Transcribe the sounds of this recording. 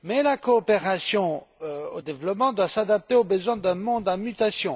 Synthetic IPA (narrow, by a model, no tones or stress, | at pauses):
mɛlakoːpeʁasjɔ̃ | od̪evlɔpmɑ̃d̪wasad̪ap̚t̪eobəzwɛ̃d̪ɛ̃mɔ̃d̪ãmyt̪asjɔ̃